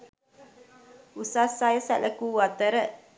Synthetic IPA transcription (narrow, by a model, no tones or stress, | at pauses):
usasajəsa̰ʔlʔəkuwat̪əɾəʔ